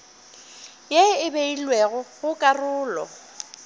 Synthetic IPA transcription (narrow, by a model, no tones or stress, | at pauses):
jeɪbeilweɣʊɣʊkʼarʊːlɔ